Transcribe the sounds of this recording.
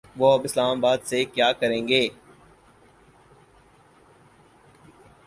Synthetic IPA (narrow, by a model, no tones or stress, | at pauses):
ʋoəbɪslaːmabaːd̪sekjaːkəɾẽːŋɡeː